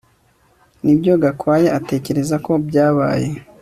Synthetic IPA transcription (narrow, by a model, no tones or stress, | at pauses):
nibɟo̞ɡakwaːje̞ate̞ːce̞ɾe̞zako̞bɟaːβa̰ːje̞